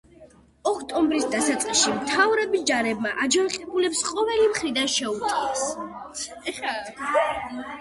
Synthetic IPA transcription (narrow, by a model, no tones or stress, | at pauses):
ɔkʰt̪ʼɔmbɾisd̪asat̪sʼqʼiʃimt̪ʰavɾɛbisd͡ʒaɾɛbmaʔad͡ʒanqʼɛbulɛpsqʼɔvɛlimχɾid̪anʃɛut̪ʰas